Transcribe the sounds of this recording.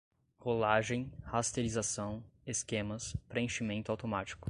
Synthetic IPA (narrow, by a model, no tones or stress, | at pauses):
holaʒẽj̃hast̪eɾizasɐ̃w̃eskẽmɐspɾeẽʃimẽnt̪ʊawt̪omat͡ʃi̥kʊ̥